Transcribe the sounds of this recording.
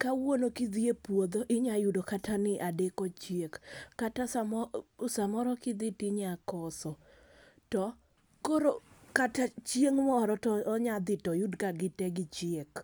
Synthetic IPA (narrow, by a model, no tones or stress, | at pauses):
kawonokid̪iepwod̪oʔɪɲajudokatʰanɪʔadekot͡ʃjekːatasamɔsamɔɾɔkɪd̪ɪtɪɲakɔsɔ | tɔ | koɾokatat͡ʃieŋmɔːɾɔtɔːɲad̪ɪtɔjʊdkaɡɪtɛɡɪt͡ʃiek